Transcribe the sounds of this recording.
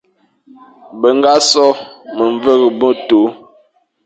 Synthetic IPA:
bə˨ŋɡa˦sɔ˦mə˨ɱvə˦ɣə˨bɔ˦to˨˦

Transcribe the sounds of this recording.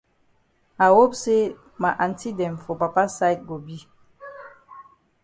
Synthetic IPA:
a˨wo˦p̚se˦ | ma˨ʔa˨n˦ti˦dɛ˨m˨fo˨pa˨pa˦sa˦jt̚ɡo˨bi˦

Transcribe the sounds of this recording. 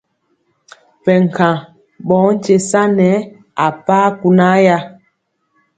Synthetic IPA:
pɛ˨ŋ̩˨kʰã˨ | ɓɔː˨˦n̩˦t͡ʃe˨sa˦nɛ˨˦ | a˨paː˦ku˨na˦ja˦

